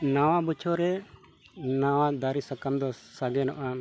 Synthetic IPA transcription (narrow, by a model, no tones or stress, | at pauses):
nawabut͡ʃʰɔɾɛ | nawad̪aɾisakamd̪ɔsaɡɛnɔʔa